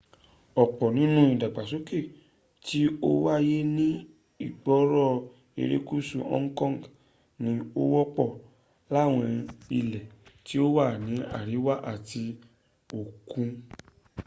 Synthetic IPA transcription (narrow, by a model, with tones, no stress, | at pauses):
ɔ˨k͡pɔ˨nĩ˨˦nũ˦i˨da˨ɡ͡ba˨so˨˦ke˦˨ | ti˦o˦wa˦˧je˦nĩ˦ | i˦˨ɡ͡bɔ˨˦ɾɔ˦˨ | ḛ˧ɾe˦ku˦sũ˦˧ʔɔ̰̃˦ŋ̩˦kɔ̃˦˨ɡ | nĩ˨˦o˦wɔ˦k͡pɔ˦˨ | la˦˨w̃ɔ̃˧ɛ̃˧i˧lɛ˨ti˦o˦wa˦˨nĩ˨˦a̰˦˨ɾi˨˦wa˦ʔa˦˨ti˧ | o˨kũ˧